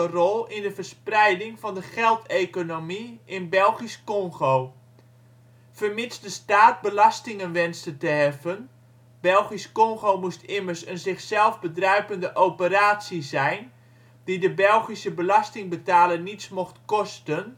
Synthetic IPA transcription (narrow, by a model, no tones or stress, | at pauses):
ərɔlˠɪndəfərsprɛjdɪŋfɔndəχɛlˠtʰejkonomiɪnbɛlˠχiskɔŋɣow | fərmɪsdəstaːt̚bəlɑstɪŋənʋɛnstətəɦɛvən | b̥ɛlˠχiskɔŋɣowmustɪmərsənzɪxsɛlˠfbədrœɥpəndəʔowpəraːtsizɛjn | d̥idəbɛlˠχisəbəlɑstɪŋbətaːlərnismoxtkɔstən